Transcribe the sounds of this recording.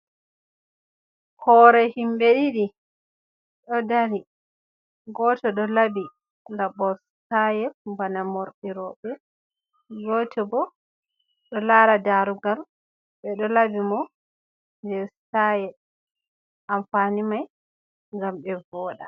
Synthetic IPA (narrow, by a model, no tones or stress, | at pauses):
hɔːɾɛhimbeɗiɗi | ɗɔdaɾi | ɡɔtɔɗɔlabi | labɔstajɛbanamɔɾɗiɾɔɓɛ | ɡɔtɛbɔ | ɗɔlaɾadaɾuɡam | bɛɗɔlabimɔ | dɛstajɛ | amfanimaj | ŋɡambɛvɔːɗa